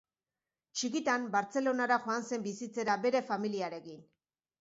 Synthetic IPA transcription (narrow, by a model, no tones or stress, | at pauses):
t͡ʃikit̪ambaɾt͡se̞lo̞naɾaxo̞anse̞mbisit͡se̞ɾabe̞ɾe̞familiaɾe̞kin